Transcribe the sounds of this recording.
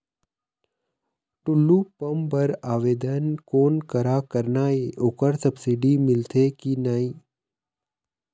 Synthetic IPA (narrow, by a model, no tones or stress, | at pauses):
ʈʊlːupɐmpəɾaːʋeːd̪ənkoːnkəɾakəɾnaːeʔokəɾsɐbsɪɖimɪlt̪ʰekinaːi